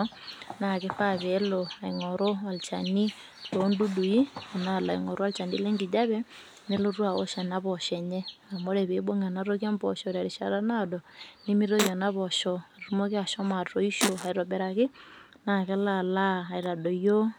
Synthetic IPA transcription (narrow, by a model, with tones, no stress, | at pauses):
na˨kɪ˦fa˦βe˦lo˨a˨i˨ŋɔ˨ɾo˦a˨lt͡ʃa˨ni˦ | lo˨˦ndu˦du˨ji˦a˨na˦˨la̰˨ḭ˨ŋɔ˨ɾo˦a˦lt͡ʃa˨nḭ˦le˦ŋɡi˨d͡ʒa˦βɛ˦ | ne˦lo˦rwa˨o̰˦ʃɛ˨na˦βɔ˨ʃɛ˨ɲe˦a˨mo˦ɾe˨βe˨˦bo˦ŋa˨na˦ɾo˦kja˦mbɔ̰˨ʃɔ˨ɾa˨ɾi˨ʃa̰˨ɾa˦na˦dɔ˨nɪ˦mi˦ɾo˦ja˨na˦βɔ˨ʃɔ˨ɾɾu˦mo˦kɪ˦a˨ʃɔ˦ma˨tɾo˦i˦ʃo˨a˨iɾɔ˨bɛ˨ɾa˨kɪ˦ | na˨kɛ˦la˦˨laː˦˨i˨ɾa˨do˨jo˦